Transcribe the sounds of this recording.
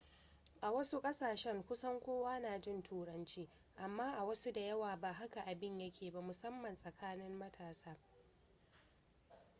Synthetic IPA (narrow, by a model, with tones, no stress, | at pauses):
ʔa˨wɐ˦su˦kʼɐ˦saː˨ʃɛ˦ŋkʷʊ˦sɐ˦ŋkʷoː˦waː˦naː˨d͡ʒɪ˦˨ntʰuː˦˨ɽɐ˦nt͡ʃiː˦ | ʔa˨mːaː˦ʔa˨wɐ˦su˦da˨jɐ˦waː˨baː˨ɦa˦ka˨ʔa˨bɪ˦ɲjɐ˦kʲʰeː˨ba˦mʊ˨sɐ˦mːɐ˨nsʼɐ˨kʰaː˦nɪ˦mːɐ˦tʰaː˨saː˦